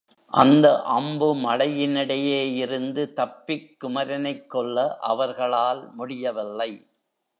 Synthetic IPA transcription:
ʔɐ̰nd̪ɐʔɐmbɯmɐɽɐjɪnɪɽɐjeːɪɾɯnd̪ɯt̪ɐpːɪkːʊmɐɾɐnɐɪkːɔɭːɐʔɐ̰ʋɐɾɣɐɭaːlmʊɽɪjɐʋɪlːɐɪ

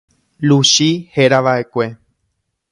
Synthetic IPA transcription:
luʃiheɾaʋaʔe̞kʷe̞

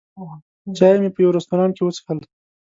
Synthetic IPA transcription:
t͡ʃɑjemepəjawɾast̪uɾɑnkewət͡sə̥xal

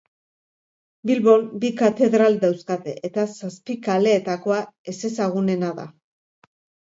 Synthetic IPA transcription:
bilβo̞lbikat̪e̞ðɾald̪awskat̪e̞̰ʔet̪asaspikale̞ːt̪ako̞ae̞se̞saɣ̞une̞naða̰

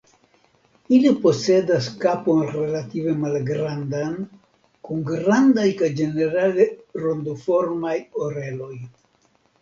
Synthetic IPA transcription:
ilipo̞se̞daskapo̞nre̞lative̞malɡɾandan | kuŋɡɾandajkajd͡ʒe̞ne̞ɾale̞ɾo̞nd̪ofo̞ɾmajo̞ɾe̞lo̞j

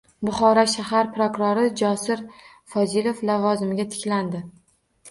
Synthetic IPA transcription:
bʊχɒɾaʃahaɾpɾokʊɾoɾɪd͡ʒɒsɪɾ | fɒzɪlo̞flavɒzɪmɪɡʲat̪ʰɪ̥kʲland̪ɪ

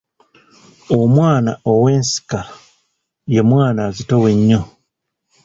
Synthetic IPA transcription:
omwaːna̰ʔo̞we̞ːnsi̥ka | je̞mwaːnazitowe̞ɲːo

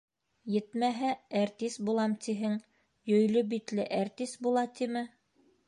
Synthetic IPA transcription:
jɘ̆t̪mæɦææɾt̪isbulˠɑmt̪iɦɘŋ | jɵ̆jlɵbit̪lɘʔæɾt̪isbulˠɑt̪imɘ

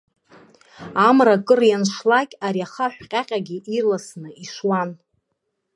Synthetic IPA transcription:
amrakʼɨrjanʂlakʲʼaɾiaχaħʷᶣqʲʼaqʲʼaɡʲiʔirlasnɨiʂwan

